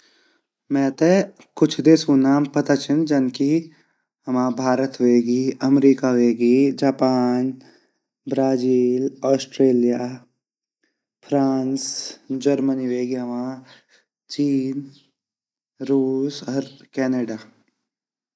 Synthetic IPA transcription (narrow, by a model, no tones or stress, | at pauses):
mɛ̃ːt̪e | kʊt͡ʃʰd̪eːsuːnaːmpɐt̪at͡ʃʰɪnd͡ʒɐnki | ɦɐmãːbʱaːɾət̪ɦoeːɡiːɐmɾiːkaɦoeːɡid͡ʒaːpaːn | bɾaːd͡ʒiːlɔːsʈɾeːlija | pʰɾaːnsd͡ʒɐɾməniɦoeːɡiɦɐmãː | t͡ʃiːn | ɾuːsɔɾkɛːneːɖaː